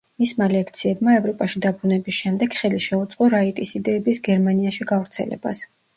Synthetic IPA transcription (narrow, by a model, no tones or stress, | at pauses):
mismalɛkʰt̪sʰiɛbmaɛvɾɔpʼaʃid̪abɾunɛbisʃɛmd̪ɛɡ̥χɛliʃɛut̪sʼqʼɔɾait̪ʼisid̪ɛːbisɡɛɾmaniaʃiɡavɾt̪sʰɛ̰lɛ̰b̥a̰s